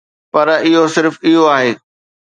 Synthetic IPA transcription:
pɐɾɪɦosɪɾfɪɦoaːɦeː

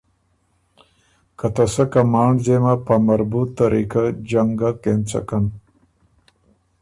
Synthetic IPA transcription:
kɐt̪ɐsɐkɐmaːɳɖd͡ʑemɐpɐmɐɾbut̪ːɐɾiːkad͡ʑɐŋɡakent͡sɐ̰kɐn

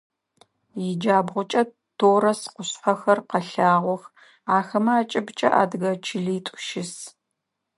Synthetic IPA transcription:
jɪd͡ʒaːbʁʷʊt͡ʃʼɐ | tʰoːɾɐsqʷʊɕħɐxɐrqɐɬaːʁʷɔx | aːxɐmɐaːt͡ʃʼɪbt͡ʃʼɐ̰ʔa̰ːdɣɐt͡ʃʰɪɮiːtʷʼʊʃɪs

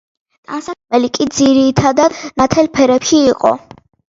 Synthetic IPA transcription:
t̪ʼansakʰmɛlikʼid̪ziɾit̪ʰad̪ad̪nat̪ʰɛlpʰɛɾɛpʃiːqʼɔ̰

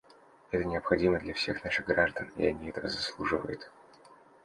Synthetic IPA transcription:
ɛt̪ənʲɪɐpxɐdʲiməd̪lʲɐfsʲe̞xnaʂɨɣɡɾaʐd̪ənɪ̰ɐnʲiɛt̪əvəzɐslˠuʐɨvə̰jʊt̪

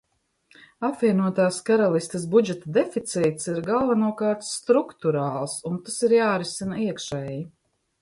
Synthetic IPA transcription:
apvʲiɛnuɔt̪aːskaɾalˠist̪əs̬bud͡ʒɛt̪ad̪efit̪siːt̪siɾɡalˠvanuɔkaːɾt̪st̪ɾukt̪uɾaːlˠsunt̪asiɾjaːɾisinaiɛkʃɛːji

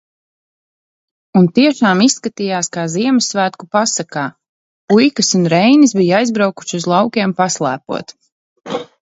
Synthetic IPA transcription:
unt̪iɛʃaːmisːkat̪ijaːskaːziɛmɨsvæːt̪kupasakaː | ujkɐsunɾɛjnisbijajzbɾawku̥ʃuzlˠɑwkʲɛɛmpaslˠæːpṵɔt̪

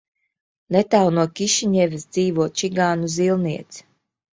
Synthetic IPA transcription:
net̪awnuɔkʲiʃiɲɛvʲisd̪z̥iːvuɔt͡ʃiɡaːnuzilˠniɛt̪s

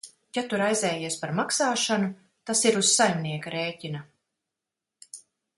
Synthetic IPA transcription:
jat̪uɾajzɛːjiɛspaɾmaksaːʃanu | t̪asiɾuz̥sajmniɛkaɾeːcʲina

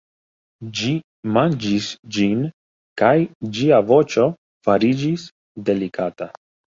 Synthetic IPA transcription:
d͡ʒi | mand͡ʒisd͡ʒin | kajd͡ʒiavo̞t͡ʃo̞ | faɾid͡ʒis | de̞likʰata

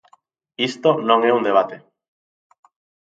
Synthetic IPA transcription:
ist̪onõŋɛund̪eβ̞at̪e

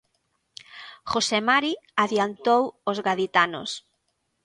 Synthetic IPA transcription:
xosemaɾiaðjant̪owozɣaðit̪ano̰s

